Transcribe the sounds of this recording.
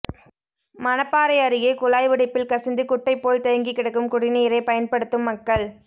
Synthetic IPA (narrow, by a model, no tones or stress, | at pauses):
mɐnɐpːaːɾɐɪɐɾɯɣeːkʊlaːjʋɪɽɪpːɪlkɐsɪnd̪ɯkʊʈːɐɪpːoːlt̪ɐjɐŋɡikːɪɽɐkːɯmkʊɽɪniːɾɐɪpɐjɐnpɐɽɯt̪ːɯmːɐkːɐɭ